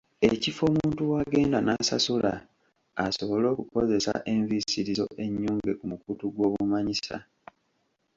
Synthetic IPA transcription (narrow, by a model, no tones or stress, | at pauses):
e̞cifo̞ːmuːntuwaːɡe̞ːndanasasula̰ | aso̞βo̞lo̞ːkuko̞ze̞sa̰ʔe̞ɱvisiɾizo̞̰ʔe̞ɲːuːŋɡe̞kumukutuɡwo̞ːβumaɲisa̰